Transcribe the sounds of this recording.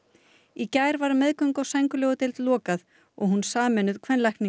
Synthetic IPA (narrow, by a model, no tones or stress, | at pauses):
icajɾvaɾmɛðkœŋkɔwsajŋkʏlɔːɣʏt̪ɪlt̪lɔːkað | ɔɣɦunsaːmɛnʏðkʰvɛnlajhkni